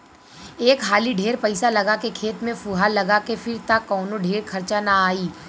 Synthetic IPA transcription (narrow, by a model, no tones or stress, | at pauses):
eːkɦaːliɖʱeːɾpɐɪsalɐɡakekʰeːt̪mẽfuɦalːɐɡakefɪɾt̪akːɔːnoɖʱeːɾkʰɐɾt͡ʃanaaːiː